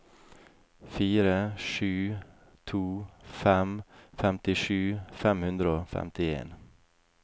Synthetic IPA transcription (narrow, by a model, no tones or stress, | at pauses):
fiːɾəʂʉː | t̪ʰuːfɛmfɛmt̪ɪʂʉːfɛmhʉnd̪ɾəoːfɛ̰mt̪ɪḛːn